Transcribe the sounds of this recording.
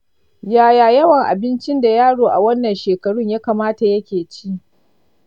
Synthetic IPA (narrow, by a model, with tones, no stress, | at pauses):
jaː˨jaː˨jɐ˦wɐ˨ŋʔa̰˨bɪ˦nt͡ʃɪ˦nda˨jaː˦ɽoː˨ʔa˨wɐ˦nːɐ˨nʃeː˨kɐ˨ɽʊ˦ɲjaː˦kaː˨maː˦ta˨jɐ˦kʲeː˨t͡ʃiː˦ʔ